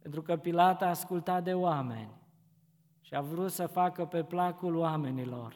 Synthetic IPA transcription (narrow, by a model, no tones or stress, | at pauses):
pe̞nt̪ɾukəpilat̪aːskult̪at̪̚d̪e̞owamḛnʲ | ʃiavɾut̪səfakəpe̞plakuloame̞nilo̞̰r